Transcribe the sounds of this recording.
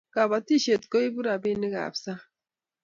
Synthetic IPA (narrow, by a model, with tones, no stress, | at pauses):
ka˨βa˨ti˦ʃe˨t̪ko˦i˦bu˦ɾa˨bi˦ne˦ɡa̰˨bsa˦